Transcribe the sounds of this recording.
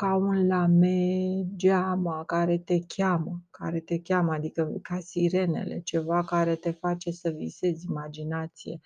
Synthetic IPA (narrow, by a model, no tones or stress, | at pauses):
kaunlamed͡ʒamakaɾe̞t̪e̞kʲaməka̰ɾe̞t̪e̞kʲaməad̪ikəkasiɾe̞ne̞̰le̞̰t͡ʃe̞vakaɾe̞t̪e̞fat͡ʃe̞səvḭse̞zʲimad͡ʒinat̪sije̞̰